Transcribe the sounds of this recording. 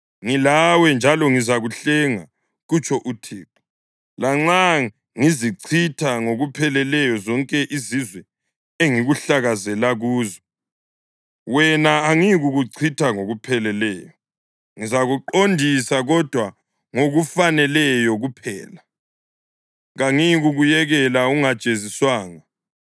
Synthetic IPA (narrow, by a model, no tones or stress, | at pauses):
ŋilawɛnd͡ʒʱalɔŋizaɣuɬɛŋa | ɣut͡ʃʼʰɔʔutʰiːǁɔ̥ | laŋ͡ǀa | ŋiziǀʰitʰaŋoɣupʰɛlɛlɛjɔzɔŋkʼɛʔizizwɛ | eŋiɣuɬaɣazɛlaɣuːzɔ | wɛnaːŋiɣuɣuǀʰitʰaŋoɣupʰɛlɛlɛːjɔ | ŋizaɣuǃondʱisaɣɔd̥ʱwa | ŋoɣufanɛlɛjɔɣupʰɛ̰ːla | ɣaŋiɣuɣujɛɣɛlauŋad̥t͡ʃʼeziswaːŋa